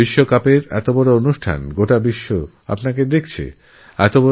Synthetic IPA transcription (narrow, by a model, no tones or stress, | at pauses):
iʃːokapeɾɛ̰t̪obɔɾoonuʃʈʰa̰nɡoʈabiʃːo | a̰pnaked̪ekʰt͡ɕʰḛ | ɛt̪obɔ